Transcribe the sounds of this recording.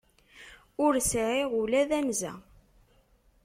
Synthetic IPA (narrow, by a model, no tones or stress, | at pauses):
ʊɾsʕiʁulæðænzæ̰